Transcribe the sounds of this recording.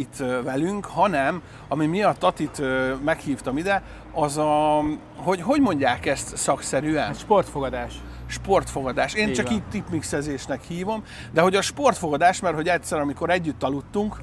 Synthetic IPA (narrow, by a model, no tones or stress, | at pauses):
it̪ːvɛlyŋkhɒnɛm | ɒmimiɒt̪ːɒt̪it̪ømɛkhiːft̪ɒmid̪ɛ | ɒzɒ | ɦo̞ɟɦo̞ɟmo̞ɲɟaːkɛst̪sɒksɛɾyɛnʃport̪foɡɒd̪aːʃ | ʃpo̞rt̪fo̞ɡɒd̪aːʃeːnt͡ʃɒkiːt̪ipmiksɛzeːʃnɛkhiːvo̞m | d̪ɛɦo̞ɟɒʃpo̞rt̪fo̞ɡɒd̪aːʃmɛrho̞ɟɛt̪ʲsɛɾɒmiko̞ɾɛɟːyt̪ːɒlut̪ːuŋk